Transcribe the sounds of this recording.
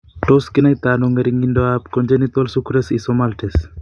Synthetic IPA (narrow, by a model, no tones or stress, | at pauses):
ʈoskinajt̪anoŋɡɐɾiŋɡinɖoapkɔnd͡ʒenit̪olsukʰuɾesisɔmalʈʰes